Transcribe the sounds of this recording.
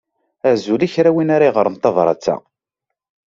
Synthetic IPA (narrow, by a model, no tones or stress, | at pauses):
æʕzuliçɾæwinaɾˤiʁəɾˤənt̪ˤːɑðˤɾˤɑ̰t͡sːæ̰